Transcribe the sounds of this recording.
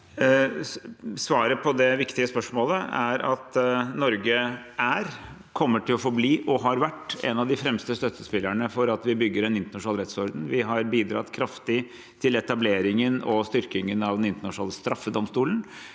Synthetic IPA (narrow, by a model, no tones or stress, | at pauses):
sʋɑːɾəpʰɔd̪ɛʋɪkt̪ɪəspœʂmoːləæɾɑt̪nɔɾɡəæɾ | kʰɔmːəʈʰɪlɔfɔɾbliːʔɔɦɑɾʋæʈːɛ̰nɑʋd̪ɪfɾɛmst̪əst̪œt̪ːəspɪlːæɳəfɔɾɑt̪ʋɪbʏɡːəɾɛnɪnt̪əɳɑʂʊnɑlɾɛt̪sɔɾd̪n̩ʋɪɦɑɾbiːd̪ɾɑ̰t̪kʰɾɑft̪ɪ | t̪ʰɪlɛt̪ɑbleːɾɪŋənɔst̪ʏɾkɪŋənɑʋd̪ɛnɪnt̪əɳnɑʂʊnɑːləst̪ɾɑfːəd̪ɔmst̪uːlən̩